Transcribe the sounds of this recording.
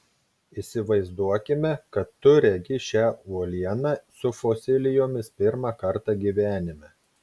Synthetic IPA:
isʲɪʋɐɪzd̪uɔkʲɪmʲɛkɐt̪ːʊɾʲɛɡʲɪʃʲæːuɔlʲiɛnɑsʊfoːsʲɪlʲɪjoːmʲɪspʲɪɾmɑkɐɾt̪ɑˑɡʲiːʋʲæːnʲɪmʲɛ

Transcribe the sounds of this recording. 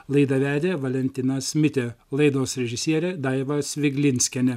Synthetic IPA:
lˠɐɪd̪ɐʋʲæːd̪ʲeːʋɐlʲɛnʲt̪ʲɪnɐsmʲɪt̪ʲelˠɐɪd̪oːsɾʲɛʒʲɪsʲiɛɾʲeːd̪ɑɪʋɐsʋʲɪɡʲlʲɪnʲsʲkʲɛnʲɛ

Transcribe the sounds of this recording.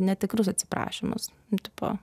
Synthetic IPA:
nʲɛt̪ʲɪkɾʊs̬ɐt̪ʲsʲɪ̥pɾɑ̰ːʃʲɪmʊ̰s | t̪ʲɪpo̰ː

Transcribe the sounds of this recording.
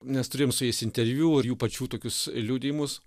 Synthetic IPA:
mʲɛst̪ʊɾʲeːjomsʊjɛɪsɪnʲt̪ʲɛɾʲʋʲuːɪɾjuːpɐt͡ʃʲuːt̪oːkʲʊslʲuːd̪ʲɪjɪmʊs

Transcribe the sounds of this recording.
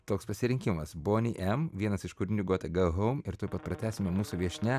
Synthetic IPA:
t̪oːkspɐsʲɪɾʲɪŋʲkʲɪmɐsboːnʲiːʔɛmʋʲiɛnɐsɪʃkʊɾʲɪnʲuːɡoːt̪ʲɛɡɐɦɔʊmɪɾt̪oːppɐt̪̚pɾɐt̪ʲæːsʲɪmʲɛmuːsuʋʲiɛʃʲnʲɛ

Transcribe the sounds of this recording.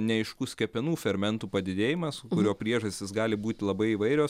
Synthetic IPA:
nʲɛɐɪʃkusʲkʲɛpʲɛnuːfʲɛɾmʲɛnt̪uːpɐd̪ʲɪd̪ʲeːjɪmɐskʊɾʲoːpʲɾʲiɛʒɐsʲt̪ʲɪsɡɑːlʲɪbuːt̪ʲɪlˠɐbɐɪiːʋɐɪɾʲoːs

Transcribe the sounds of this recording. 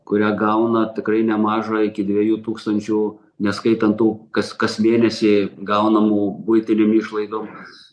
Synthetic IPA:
kʊɾʲæːɡɐʊnɐt̪ʲɪkɾɐɪnʲɛmɑːʒɐɪkʲɪd̪ʲʋʲiɛjuːt̪uːkst̪ɐnʲt͡ʃʲuː | nʲɛskɐɪt̪ɐnt̪uːkɐskɐsmʲeːnʲɛsʲiɡɐʊnɐmuːbʊɪt̪ʲɪnʲemiːʃlˠɐɪd̪oːm

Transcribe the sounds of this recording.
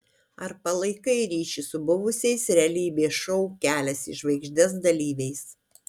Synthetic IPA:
ɐɾpɐlˠɐɪkɐɪɾʲiːʃʲisʊbʊʋʊsʲɛɪsɾʲælʲibʲeːʃɔʊkʲæːlʲɛsɪʒʋɐɪɡʒʲd̪ʲɛs̬d̪ɐlʲiːʋʲɛɪs

